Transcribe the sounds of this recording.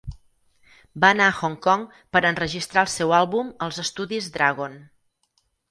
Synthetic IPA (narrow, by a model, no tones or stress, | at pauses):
baənaəxɔŋkɔŋ | pəɾənrəʒist̪ɾaəlˠsɛwalˠβuməlˠzəst̪uðizd̪ɾaɣon